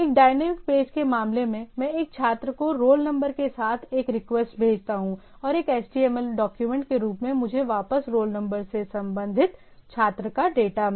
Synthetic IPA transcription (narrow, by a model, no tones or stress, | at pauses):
eːk̚ɖaːɪnəmɪk̚peːd͡ʒkemaːmlemẽmɛ̃eːk̚t͡ʃʰaːt̪ɾəkoɾoːlnɐ̃mbəɾkesaːt̪ʰeːkɾɪkʋɛsʈ̚bʱeːd͡ʒt̪aɦũ | ɔːɾeːkɛːsʈiɛːmɛlɖɔːkjumɛ̃ːɳʈ̚keɾuːpmẽmʊd͡ʒʱeʋaːpəsɾoːlnɐ̃mbəɾsesɐ̃mbə̃nd̪ʱɪt̪ | t͡ʃʰaːt̪ɾəkaɖeːʈam